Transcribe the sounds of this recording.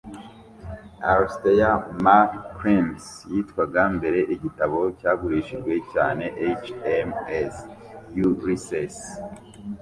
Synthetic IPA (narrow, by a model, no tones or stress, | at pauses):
aɾstejamakpɾimsjiːtkwaɡambe̞ɾe̞ʔiɟitaβo̞caːɡuɾiːʃiʒɡwe̞caːne̞ʔet͡ʃemes | juɾises